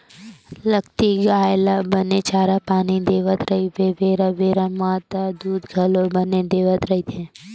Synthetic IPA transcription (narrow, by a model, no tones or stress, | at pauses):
ləɡt̪iɡaːjlabənet͡ʃaːɾapaːnid̪eːʋət̪ɾɐɦiʋeʋeːɾaʋeːɾamaːt̪ad̪uːd̪ɡʱɐlobəned̪eːʋət̪ɾɐɦit̪ʰẽ